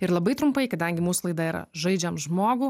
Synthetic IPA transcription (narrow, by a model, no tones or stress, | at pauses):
ɪɾlˠɐbɐɪt̪ɾʊmpɐɪkɐd̪ɐŋʲɡʲɪmuːsʊlˠɐɪd̪ɐiːɾɐ̰ʒɐɪd͡ʒʲɛmʒmoːɡu